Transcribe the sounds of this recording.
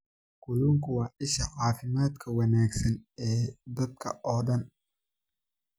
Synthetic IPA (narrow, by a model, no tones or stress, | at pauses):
kʊluːŋkʰʊwɑːʔɪʃɐʕɑːfɪmaːd̪kʰɐwɐnaːɡsɐnɛːd̪ɐd̪̚kʰɐ̰ʔɔːɖɐn